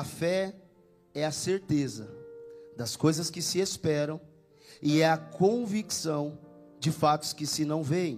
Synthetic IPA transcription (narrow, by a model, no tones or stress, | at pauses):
ɐfɛ | ɛɐseɾt̪ezɐd̪ɐskojzɐskɪsɪespɛɾɐ̃w̃ | ɪɛɐkõviksɐ̃w̃ | d͡ʒɪfat̪ʊ̥skɪsɪnɐ̃w̃vẽj̃